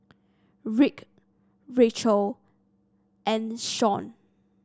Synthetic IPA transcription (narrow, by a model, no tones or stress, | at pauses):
ɹik | ɹet͡ʃəl | ʔɛ̃nʃɔ̃n